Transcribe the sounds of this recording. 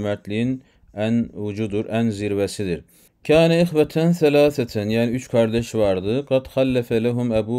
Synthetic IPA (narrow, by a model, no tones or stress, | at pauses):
mæt̪ʰlijin | ænvud͡ʒud̪uɾʔænziɾvæsid̪iɾ | kʰaːnæɪxvæt̪ʰænθælaːθæt̪ʰænjæːniyt͡ʃkʰɑɾd̪ɛʃvɑɾd̪ɯqɑd̪xælːæfælæɦumæbu